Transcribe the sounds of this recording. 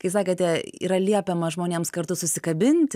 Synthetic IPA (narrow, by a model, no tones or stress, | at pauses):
kɐɪs̬ɑːkʲet̪ʲɛḭːɾɐlʲiɛpʲɛmɐʒmoːnʲeːmskɐɾt̪ʊsʊsʲɪkɐbʲɪnʲt̪ʲ